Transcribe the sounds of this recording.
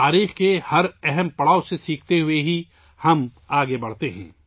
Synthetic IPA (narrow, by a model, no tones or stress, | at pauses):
aːɾiːxkehɐɾɛɦɛmpɐɽaːosesiːkʰt̪eɦʊeɦi | hɐm | aːɡebɐɽ̤t̪eɦɛ̰̃ː